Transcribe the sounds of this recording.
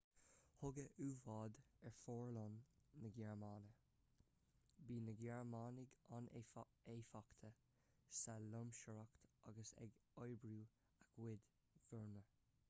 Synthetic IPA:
hʊɡəʔuːvɑːd̪ɛɹfɔːɹlɔnːəɡɛɹmaːnə | biːnəɡɛɹmaːnɪɡɑn | eːfakt̪ʰə | salʊmʃəɹakt̪aɡəsɛ̰ɡɔjbɾuː | akwɪd̪ | vəɹnə

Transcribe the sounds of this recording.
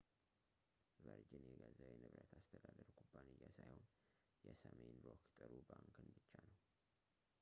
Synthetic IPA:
vəɾd͡ʒɪnjɛɡazəwjɛnɨβɾət̪ʰast̪ʰəd̪ad̪əɾkʰompʰːanijːasajhon | jɛsəmenɾokt̪ʼɨɾubaŋkʰɨnbɨt͡ʃːanəw

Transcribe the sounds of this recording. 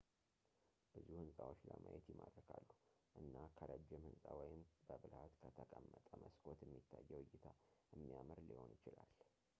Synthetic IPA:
b̥ɨzihuhɨnsʼawot͡ʃləmʔajɛt̪jɪmad̪ɾəkʰalːu | ʔɨnːakʰəɾəd͡ʒɛmhɨnsʼawɔjɪmbəbɨlhat̪kʰət̪ʰəkʼəmːət̪ʼəməskʰʼo̞t̪ɛmːit̪ʰːajːɛwɔjːɪt̪ʰaʔɨmːijamɨɾliho̞njɪt͡ʃɪlal

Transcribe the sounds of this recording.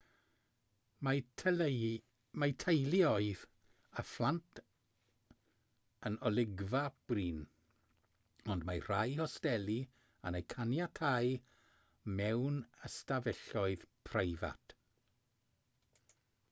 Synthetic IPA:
ma | majtʰejlˠiɔɨð | aflˠantʰ | ənɔlˠɪɡvab̥riːn | ɔndmajr̥ajhɔstɛlˠi | anejkʰanjatʰaj | mɛwnəstavɛɬɔɨð̥pʰrejva̰t

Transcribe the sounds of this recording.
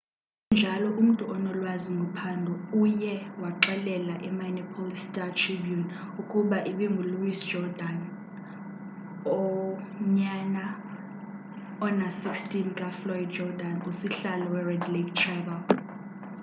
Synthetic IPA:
nd͡ʒʱalɔʔum̩tʼuʔɔnɔlwaziŋʱɔpʰandʱɔujɛwaǃɛlɛlaʔɛmanɔpʰɔlistʼatʰribjun | ukʼuɓaʔiɓiŋɡʱuluwisd̥d͡ʒɔdan | ɔɲana | ɔnasikstʼinkʼaflɔjd̚d͡ʒɔdanusiɬalɔwɛrɛdlektʰrɛvɛl

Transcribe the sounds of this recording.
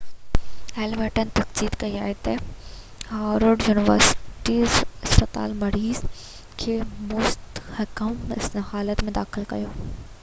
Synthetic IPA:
ɛlməʈənt̪ɐkziːd̪kɐia̰ːet̪ɐ | haːɾəɖjuːnɪʋəɾsɪ̥ʈizɪspət̪a̰ːlmɐɾiːz | kʰeːmoːst̪hɐkəmɪ̰snhaːlət̪mẽd̪aːxɪlkɐ̰joː

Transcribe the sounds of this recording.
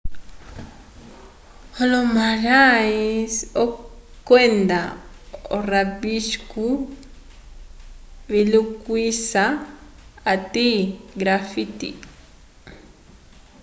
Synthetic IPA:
hɔlɔmaɾaisɔkwɛnda | ɔ̰rabiʃku | βilukwisaː | tiɡɾafitḭ

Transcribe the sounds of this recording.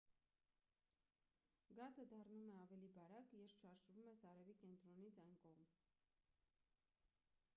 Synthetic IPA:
ɡɑzəd̪ɑrnumɛɑvɛlibɑɾɑkjɛɾʃʰɑɾʒvumɛsɑɾɛvikɛnt̪ɾɔnit͡sʰɑjnkɔʁm

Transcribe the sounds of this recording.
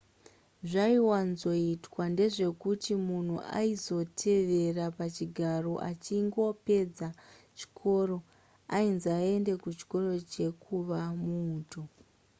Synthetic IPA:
ʐaiwanzo̞itwande̞ʐe̞kutimun̤uʔa̰izo̞tʰe̞ʋe̞rapat͡ʃiɡʱaro̞ʔa̰t͡ʃiŋɡo̞pe̞d͡zat͡ʃi̥kʰo̞ro̞ | ainzae̞nde̞kut͡ʃi̥ko̞ro̞t͡ʃe̞kʰuʋamuːto̞

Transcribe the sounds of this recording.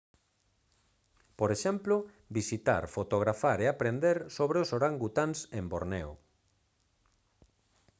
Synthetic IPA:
poɾeʃɛmplʊ | bisit̪a̰ɾfot̪oɣɾafaɾeapɾend̪eɾsoβɾeosoɾaŋɡut̪ansemboɾnɛ̰w

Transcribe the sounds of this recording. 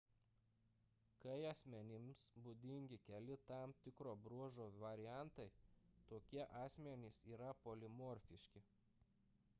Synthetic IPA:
kɐɪɐsʲmʲɛnʲɪmsbud̪ʲɪŋʲɡʲɪkʲɛlʲɪt̪ɑˑmt̪ʲɪkɾoːbɾuɔʒoːʋɐɾʲɪjæˑnt̪ɐɪt̪oːkʲiɛʔɑːsʲmʲɛnʲɪsiːɾɐpolʲɪmɔːɾʲfʲɪʃʲkʲɪ

